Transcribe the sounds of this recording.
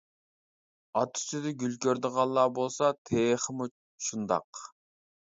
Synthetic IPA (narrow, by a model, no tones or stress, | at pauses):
ɑt̪ʰu̥t͡ʃʰid̪ɪɡʲylkʲøɾd̪əʁɑlˠːɑːbolˠsɑt̪ʰejχəmu | ʃund̪ɑ̰q